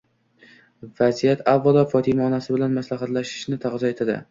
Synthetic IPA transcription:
vazijat̪ʰavːalˠɒfɒt̪ʰɪmaːnasɪbɪlanmaslaɦat̪laʃɪ̥ʃnɪt̪ʰaʁzɒe̞t̪ʰad̪ɪ̰

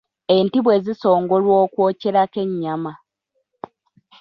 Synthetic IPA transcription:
e̞ntiβwe̞ːziso̞ːŋɡolwoːkwo̞ːce̞ɾake̞ɲːama

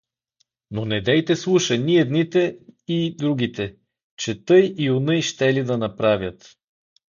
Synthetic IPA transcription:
nonɛd̪ɛjt̪ɛslˠuʃɐnʲiɛd̪nit̪ɛid̪ɾuɡ̟ʲit̪ɛ | t͡ʃɛt̪ɤjiʊnəjʃt̪ɛlid̪ɐnɐpɾavʲjət̪

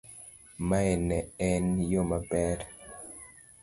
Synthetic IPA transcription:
maɛnɛɛnjomabɛɾ

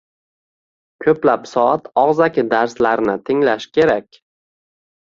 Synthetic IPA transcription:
kʲʰɵplapsɒat̪ɒʁzakʲʰɪd̪aɾslaɾnɪt̪ʰɪŋlaʃkʲʰe̞ɾakʲ

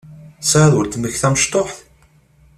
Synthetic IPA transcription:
sʕaðəlt̪məçθæməʃt̪ˤoħθ

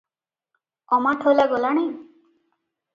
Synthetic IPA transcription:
ɔmaʈʰolaɡɔlaɽ̃aj

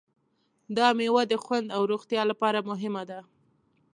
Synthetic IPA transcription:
d̪ɑmewad̪əxwand̪awɾuɣt̪jɑlapɑɾamʊɦɪmad̪a

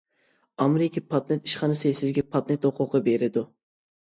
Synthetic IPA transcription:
ɑmeɾɪkʲʰipʰɑt̪net̪iʃχɑnɨsɨsɪzɡʲɛpʰɑt̪̚net̪hoqʰʊqəbeɾɪd̪u

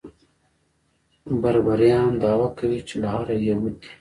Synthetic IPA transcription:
bɐɾbɐɾjaːnd̪aːwakɐwit͡ʃʰilɦaːɾɐjɐmut̪ʰi̥

